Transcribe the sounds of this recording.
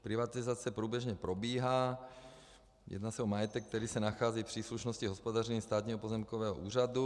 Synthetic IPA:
pɾɪvat̪ɪzat͡sɛpɾuːbjɛʒɲɛpɾobiːɦaː | jɛ̰d̪naːsɛomajɛt̪ɛk̚t̪ɛɾiːsɛnaxaːziːfpr̥iːsluʃnosciɦospod̪arɛɲist̪aːt̪ɲiɦɔpozɛmkovɛːɦɔʔṵːradu

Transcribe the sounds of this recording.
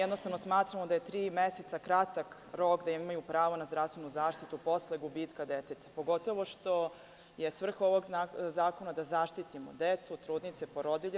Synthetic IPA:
jed̪no̞st̪aʋnosmaːt̪ɾamod̪aje̞t̪ɾiːmeset̪sakɾat̪ak | ɾokd̪aimimajupɾaːʋonazd̪ɾafst̪ʋe̞nuzaːʃt̪it̪upo̞sleɡubiːt̪kad̪et̪et̪ḁpo̞ɡo̞t̪o̞ʋo̞ʃt̪o̞ | je̞sʋr̩xo̞ʋoɡazaːko̞nad̪azaʃt̪it̪imod̪et̪sut̪ɾuːd̪nit̪sepoɾod̪iʎ

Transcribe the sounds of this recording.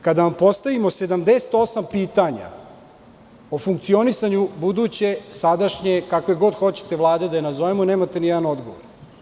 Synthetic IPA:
kad̪aʋampo̞st̪aʋimo̞se̞d̪amd̪eset̪o̞sampiːt̪aɲa̰ | o̞fuŋkt̪sio̞nisaɲubud̪uːt͡ɕesad̪aʃɲekakojeɡo̞d̪xo̞t͡ɕe̥t̪e̞ʋlˠaːd̪ed̪ajenazoʋemune̞ːmat̪enijɛd̪ano̞d̪ɡoʋo̰ɾ

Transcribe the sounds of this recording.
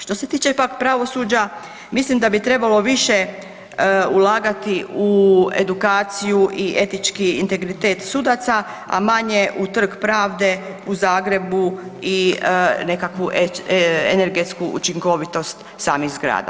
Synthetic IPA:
ʃt̪o̞se̞t̪iːt͡ʃepakpɾaʋo̞suːd͡ʑa | mislimd̪abit̪ɾe̞balo̞ʋiʃe̞ | ulaːɡat̪iue̞̰d̪ukaːt̪sijuʔie̞t̪it͡ʃkiḭnt̪e̞ɡɾit̪eːt̪sud̪at̪sa | a̰maɲeʔut̪r̩kpɾaːʋd̪e̞ | uzaːɡɾe̞buine̞kakʋuʔ | ene̞ɾɡe̞t̪skuʔṵt͡ʃiŋko̞ʋit̪o̞st̪ | saːmixzɡɾa̰ːd̪a̰

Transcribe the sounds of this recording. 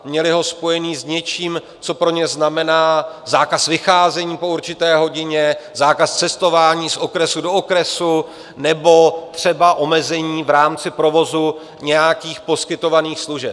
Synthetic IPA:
mɲɛlɪɦo̞spo̞jɛniːzɲɛt͡ʃiːm | t͡so̞pɾo̞ɲɛznamɛnaːzaːkasvɪxaːzɛɲiːpo̞uɾt͡ʃɪt̪ɛːɦo̞ɟɪɲɛzaːkast͡sɛst̪o̞vaːɲiːsʔo̞kɾɛsudookɾɛsu | nɛbo̞t̪r̝̥ɛbaʔo̞mɛzɛɲiːvɾaːmt͡sɪpɾo̞vo̞zu | ɲɛjakiːxpo̞skɪt̪o̞vaniːxsluʒɛp

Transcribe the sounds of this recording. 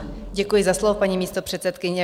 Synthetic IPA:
ɟɛkujɪzaslovopaɲimiːst̪o̞pr̝̥ɛt̪sɛt̪kɪɲɛ

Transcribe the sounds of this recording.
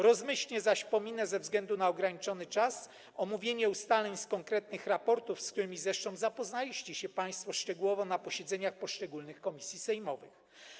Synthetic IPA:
ɾɔzmɘɕlʲɲɛzaɕpɔmʲinɛzɛvzɡlɛnd̪unaɔɡɾaɲit͡ʂɔnɘt͡ʂas | ɔmuvʲjeɲɛust̪alɛɲskɔŋkɾɛt̪̚nɘxɾapɔɾt̪ufsk̚t̪uɾɘmʲizɾɛʂt̪ɔ̃w̃zapɔznalʲiɕt͡ɕɛɕɛpaj̃st̪fɔʂt͡ʂɛɡuwɔvɔnapɔɕɛd̪zɛɲaxpɔʂt͡ʂɛɡulnɘxkɔmʲisʲjisɛjmɔvɘ̰x

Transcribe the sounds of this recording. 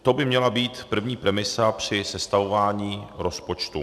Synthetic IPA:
t̪o̞bɪmɲɛlabiːt̪pr̩vɲiːpɾɛmɪsapr̝̥ɪsɛst̪avo̞vaːɲiːɾo̞spo̞t͡ʃt̪ṵ

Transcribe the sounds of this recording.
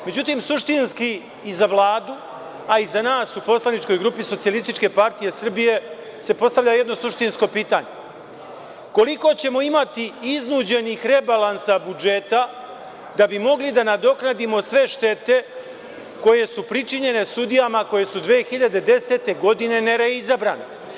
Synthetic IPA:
me̞d͡ʑut̪iːmsuʃt̪inskiː | zaʋlˠaːd̪u | aizanaːsupo̞slanit͡ʃko̞jɡɾupiso̞t̪sijalist̪it͡ʃke̞paɾt̪ije̞sr̩bije̞ | se̞po̞st̪aʋʎaje̞d̪no̞suʃt̪insko̞piːt̪aːɲe̞ | ko̞liko̞t͡ɕe̞mo̞imat̪iiznuːd͡ʑe̞nixɾe̞balˠansabud͡ʒe̞t̪a | d̪abimo̞ɡlid̪anad̪o̞knad̪imo̞sʋe̞ʃt̪e̞t̪e̞ | ko̞je̞supɾit͡ʃiɲe̞ne̞sud̪ijamako̞je̞sud̪ʋeːxiʎad̪e̞d̪e̞se̞t̪e̞ɡo̞d̪ine̞neɾaizabɾaːne

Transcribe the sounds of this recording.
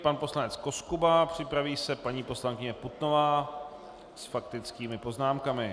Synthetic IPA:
panpo̞slanɛt͡sko̞skubapr̝̥ɪpɾaviːsɛpaɲiːpo̞slaŋkɪɲɛput̪no̞vaː | sfakt̪ɪt͡skiːmɪpo̞znaːmkamɪ

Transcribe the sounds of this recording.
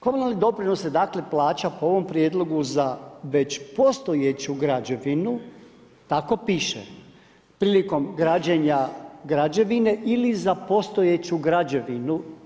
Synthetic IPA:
ko̞munalnid̪o̞pɾino̞sed̪akle̞plˠaːt͡ɕapooʋo̞mpɾjed̪lˠo̞ɡuzaʋe̞t͡ɕpo̞st̪o̞jet͡ɕuɡɾad͡ʑoʋinu | t̪ako̞piːʃḛ | pɾiːliko̞mɡɾad͡ʑeɲaɡɾad͡ʑeʋine̞ʔilizapo̞st̪ojet͡ɕuɡɾad͡ʑe̞ʋinu

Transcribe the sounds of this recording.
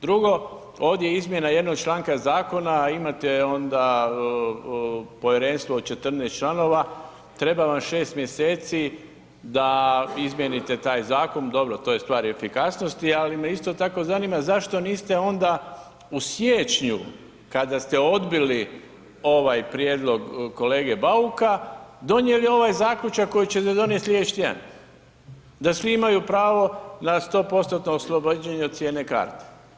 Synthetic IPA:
d̪ɾuɡo̞ | o̞ːʋd̪je̞izmje̞naje̞d̪no̞ɡ̚t͡ʃlˠaːŋkazaːko̞naimat̪eo̞nd̪a | po̞ʋjeɾe̞ːnst̪ʋoːd̪t͡ʃe̞t̪r̩nest̪t͡ʃlˠano̞ːʋa | t̪ɾe̞baʋamʃe̞ːst̪mje̞se̞ːt̪si | d̪aizmjenit̪et̪aːjzaːko̞nd̪o̞bɾot̪o̞je̞st̪ʋaːɾefikasno̞st̪ialimeist̪o̞t̪ako̞zaniːmazaʃt̪o̞niːst̪e̞o̞nd̪a | usjeːt͡ʃɲu | kad̪ast̪e̞o̞d̪bili | o̞ʋajpɾjeːd̪lˠo̞ɡko̞leːɡe̞baukad̪o̞nje̞lio̞ʋajzaːklʲut͡ʃakːo̞jit͡ɕes̬ed̪o̞nje̞t̪lʲje̞ʃt̪ia̰n | d̪asʋiimajupɾaːʋo̞nast̪o̞ːpo̞st̪ot̪noːslˠo̞bad͡ʑeɲeod̪t̪sjeːne̞ka̰ːɾt̪e̥

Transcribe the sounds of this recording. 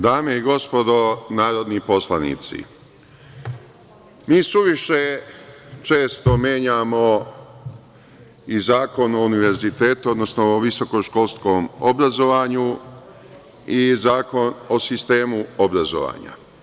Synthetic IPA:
d̪aːmeiɡo̞spo̞d̪o̞naːɾo̞d̪nipo̞slˠanḭt̪sḭ | miːsuʋiʃe | t͡ʃe̞ːst̪o̞mje̞ːɲamo̞ | izaːko̞nouniʋe̞ɾzit̪e̞ːt̪uo̞d̪nosnoʋiso̞ko̞ʃko̞lˠsko̞ːmo̰bɾazo̞ʋaɲu | izaːko̞nosist̪e̞ːmuobɾazo̰ʋa̰ɲa̰

